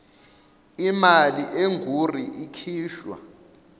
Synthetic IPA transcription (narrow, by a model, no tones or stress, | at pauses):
imaliʔeŋɡʱur̤iʔikʰiːʃwa̰